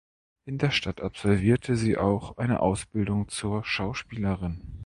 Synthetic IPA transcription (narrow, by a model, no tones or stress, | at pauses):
ʔɪndeːɐʃtatapz̥ɔlviːɐtʰəziːʔa̰ʊxʔaɪnə̰ʔaʊsb̥ɪldʊŋt͡suːɐʃaʊʃpiːləʁɪn